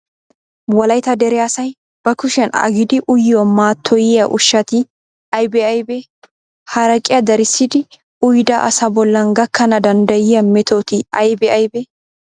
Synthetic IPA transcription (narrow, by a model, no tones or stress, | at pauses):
wɐlɐjt̪ɐd̪ɛɾɛasɐj | b̥ɐkʊʃɐnɐ̰ɡɪd̪ɪʔʊjomaːt̪ʰːɔjɪjɐʔʊʃːɐt̪ɪ | ɐjbɛɐjbɛ | hɐɾɐkʼɪjɐd̪ɐɾɪsːɪd̪ɪ | ʊjd̪ɐʔɐ̰sɐbɔlːɐnɡɐkːɐnɐd̪ɐnd̪ɐjɪjɐmɛt̪ʰoːt̪ɪɐ̰jbɛɐjbɛ